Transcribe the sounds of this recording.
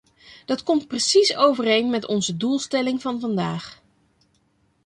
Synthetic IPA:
d̥ɑtkɔmt̚prəsisowvərejnmɛtɔnzədulˠstɛlɪŋvɑnvɑndaːχ

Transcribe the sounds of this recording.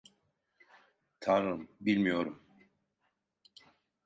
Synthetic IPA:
t̪ʰaɾɯmbilʲmijo̞ɾum

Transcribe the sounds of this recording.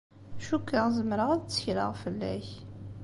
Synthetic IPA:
ʃukːaʁzəmɾəʁæðt͡sːə̥çɾə̰ʁfəlːæ̰ç

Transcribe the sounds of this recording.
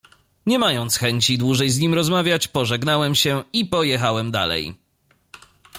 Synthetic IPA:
ɲɛmajɔnt̪sxɛɲt͡ɕid̪wuʐɛjzɲimɾɔzmavʲjat͡ɕpɔʐɛɡnawɛmɕɛipɔjɛxawɛmd̪a̰lɛ̰j

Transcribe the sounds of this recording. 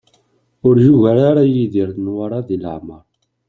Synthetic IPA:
ʊɾjuʝæɾaɾajiðiɾθnwaɾˤɑðilə̰ʕməɾˤ

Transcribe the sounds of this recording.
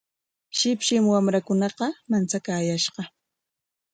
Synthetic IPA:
ʃɪpʃɪmwamɾakʊnɑqɑmant͡sakaːjaʃɢɑ

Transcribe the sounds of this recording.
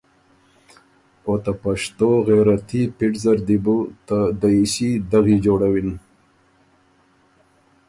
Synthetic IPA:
ot̪apaʂt̪oɣeɾat̪ipiʈzaɾd̪ibut̪ad̪aiɕid̪aɣid͡ʒoɽawin

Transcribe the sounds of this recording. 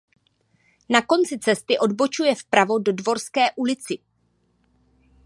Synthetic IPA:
nako̞nt͡sɪt͡sɛst̪ɪʔo̞dbo̞t͡ʃujɛfpɾavo̞do̞dvo̞ɾskɛːʔulɪt͡sɪ

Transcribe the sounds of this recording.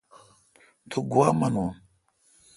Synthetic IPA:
t̪ʰuɡuwaːmɐnuːn

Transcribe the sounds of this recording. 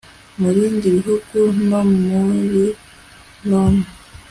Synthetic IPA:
muβiːndiβiɦuɡ̥unommuɾi | lono

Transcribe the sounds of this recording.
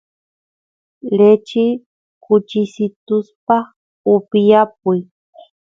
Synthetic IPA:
let͡ʃɪ | kʊt͡ʃɪsɪt̪ʊspa | ʊpɪjap̚ʊj

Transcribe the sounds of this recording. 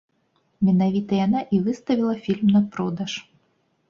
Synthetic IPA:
mʲɛnavʲit̪ɐjanaʔivɨst̪ɐvʲilˠɐfʲilʲmnɐpɾɔd̪ɐʂ

